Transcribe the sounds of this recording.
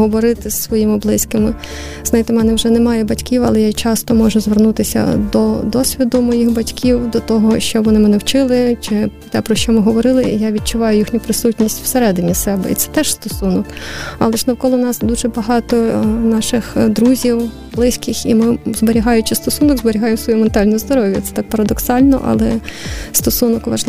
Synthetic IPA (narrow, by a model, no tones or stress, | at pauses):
ɦɔʋɔɾɪt̪ɪssʋɔjimɪblˠɪsʲkɪmɪ | znɐjit̪ɪmɛnɛwʒɛnɛmɑjɛbɐtʲkʲiwɐ̰lˠɛjat͡ʃɑst̪ɔmɔʒʊzʋernut̪ɪsʲɐ̰d̪ɔd̪ɔsʲʋʲid̪ʊmɔjixbɐtʲkʲʰiwd̪ɔt̪ɔɦɔʃt͡ʃɔʋɔnɪmɛnɛwt͡ʃɪlˠɪt͡ʃɪ | t̪ɛpɾɔʃt͡ʃɔmɪɦɔʋɔɾɪlˠɪjaʋʲid̪̚t͡ʃʊʋɑjʊjixnʲʊpɾɪsutʲnʲisʲtʲw̥seɾɛd̪ɪnʲisɛbɛ̰ḭt̪sɛ̥t̪ɛʃst̪ɔsunɔkɑlˠɛʒnɐwkɔlˠʊwnɑsd̪uʒɛbɐɦɑt̪ɔnɑʃɪxd̪ɾuzʲiw | blˠɪsʲkɪximɪzbeɾʲiɦɑjʊt͡ʃɪst̪ɔsunɔɡzbeɾʲiɦɑjemsʋɔjument̪ɑlʲnɔjɔzd̪ɔɾɔʋʲjɐt̪sɛ̥t̪ɑk̚pɐɾɐd̪ɔksɑlʲnɔ̰ʔɐ̰lˠɛst̪ɔsunɔkʋɐ̰ʒlˠ